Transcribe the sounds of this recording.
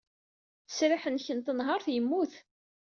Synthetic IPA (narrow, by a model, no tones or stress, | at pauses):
θə̥sɾɪħənçənt̪ənɦəɾθjəmːuθ